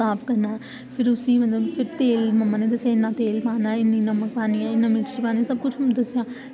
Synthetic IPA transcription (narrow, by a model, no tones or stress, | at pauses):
aːpʰkɐɾnaːɛː | pʰɪɾʊsĩːmət̪ləbpʰɪɾt̪eːlmɐmːaːneːd̪əsjãːɪnːãːt̪eːlpãːnaːɪnːĩːnəmək̚paːniɛːɪnːãːmɪʈʃipãːnːsəb̚kʊt͡ʃʰd̪ɐsjãː